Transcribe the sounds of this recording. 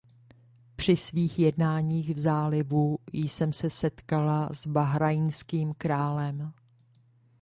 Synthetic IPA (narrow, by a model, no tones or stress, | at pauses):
pr̝̥ɪsviːxjɛdnaːɲiːxvzaːlɪvujsɛmsɛsɛt̪kalazbaɦɾajnskiːmkɾaːlɛm